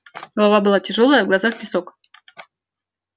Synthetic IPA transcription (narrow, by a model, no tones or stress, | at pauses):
ɡ̥əlˠɐvabɨlˠatʲɪʐolˠəjəvɡlˠɐzaxpʲɪsok